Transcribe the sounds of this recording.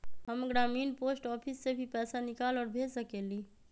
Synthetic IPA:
ɦəmɡɾaminposʈɔpʰisːebʱipɛsanikalɔːɾbʱesəkeli

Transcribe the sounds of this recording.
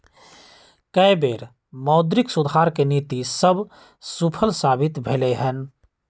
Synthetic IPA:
kəebeːɾ | mɔːd̪ɾɪksʊd̪ʱaːɾkeniːt̪isəb | supʰəlsaːbɪt̪bʱeleɦən

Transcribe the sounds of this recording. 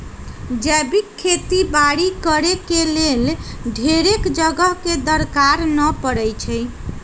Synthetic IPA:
d͡ʒɛbikʰːet̪ibaɽikəɾekelelɖʱeɾekd͡ʒəɡəɦked̪əɾkaɾnəpəɾɛjt͡ʃʰɛj

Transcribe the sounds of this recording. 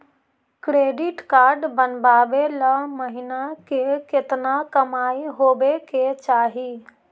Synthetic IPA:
kɾeɖiʈkaɾɖbənbabeləməɦinakeket̪nakəmaiɦobeket͡ʃaːɦi

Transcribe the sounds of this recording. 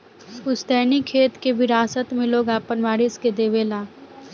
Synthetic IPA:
ʊsd̪ɛːnikʰːeːt̪kebʱɪɾaːsət̪mẽloːɡaːpənʋaːɾɪsked̪eːʋeːlaː

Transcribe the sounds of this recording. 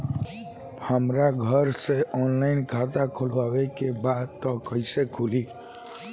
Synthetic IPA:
həmɾaɡʱəɾseʔɔnlaɪnkʰat̪akʰolʋawekebad̪t̪ɔkəisekʰuli

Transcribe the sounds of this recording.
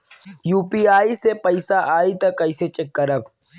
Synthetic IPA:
juːpiaːisepɐɪsaʔaːit̪ɐkːɐɪset͡ʃekːəɾəb

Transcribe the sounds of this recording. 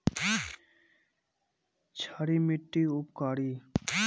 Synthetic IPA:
t͡ʃʰaːɽimiʈːiʊp̚kaːɽi

